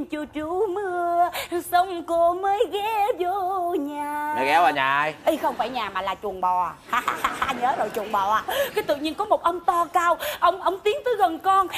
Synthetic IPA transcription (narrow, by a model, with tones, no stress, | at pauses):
t͡ɕu˧˩t͡ɕu˧˩˦mɨ˧əsə˧˦wŋ͡mku˧˩əməː˨˦jɣɛ˨˧˦zo˧˦ɲaː˨˩mə˨˦ɣɛ˨˦a˧˩ɲa̰ː˨˩ʔa˧jʔi˧xə˧wŋ͡mfaː˧˩jɲaː˨˩maː˨˩laː˨˩t͡ɕu˨˩əŋɓɔ˨˩haː˧a˧ɲəː˨˦zo˨˩jt͡ɕu˨˩əŋɓɔ˨˩a˨˧˩kkaː˨˦jt̪ɨ̰˧˨ɲi˧ənkɔ˨˦mo˨˩t̚ʔə˧wŋ͡mt̪ɔ˧kaː˧wʔə˧wŋ͡mʔə˧wŋ͡mt̪i˨˦əŋt̪əɨ˨˦ɣə˨˩nkɔ˧n